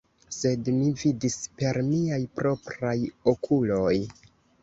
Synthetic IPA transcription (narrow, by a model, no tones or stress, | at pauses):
se̞dmividispe̞ɾmiajpɾo̞pɾajo̞kʰulo̞j